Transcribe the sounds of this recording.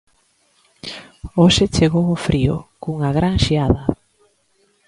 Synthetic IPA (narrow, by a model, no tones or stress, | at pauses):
oʃet͡ʃeɣowofɾiʊ̰kuŋɐɣɾaŋʃiaðɐ